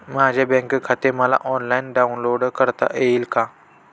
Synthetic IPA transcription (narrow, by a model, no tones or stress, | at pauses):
mãːd͡ʒebẽːŋkkʰat̪emala̰ʔɔːnlaːɪnɖaːunloːɖkəɾt̪a̰ʔelkaː